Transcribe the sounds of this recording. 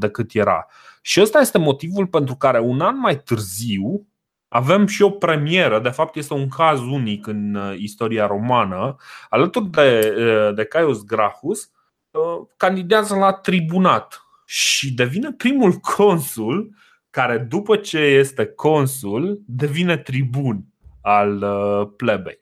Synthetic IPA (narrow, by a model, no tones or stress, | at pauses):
d̪e̞kɨt̪je̞ɾa̰ | ʃiəst̪aje̞st̪e̞mo̞t̪ivulpe̞nt̪ɾukaɾe̞unanmajt̪ɨrziw | ave̞mʃio̞pɾe̞mie̞ɾəd̪e̞fap̚t̪je̞st̪e̞uŋkʰazunikɨnist̪o̞ɾiaɾo̞manəalət̪urʲd̪ed̪e̞kajosɡɾafus | əkand̪id̪eazəlat̪ɾibunat̪ | ʃid̪e̞vine̞pɾimulkʰo̞nsul | kaɾe̞d̪upət͡ʃe̞je̞st̪e̞kʰo̞nsuld̪e̞vine̞t̪ɾibun | alplebe̞̰j